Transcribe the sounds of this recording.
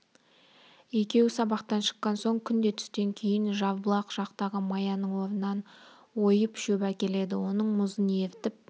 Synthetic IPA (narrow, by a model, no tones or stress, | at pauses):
e̞kʲe̞wsɑbɑqt̪ɑnʃə̥qːɑnso̞ɴkʲʰʏnd̪e̞t̪ʰʏ̥st̪e̞ŋkʲʰe̞jɪnʒɑvbəlˠɑqʒ̥ɑqt̪ɑʁəmɑjɑnəɴwo̞ɾənɑn | wo̞jəpʃɵbækʲe̞le̞d̪ɪwo̞nəɴmʊzənje̞ɾt̪ɪp̚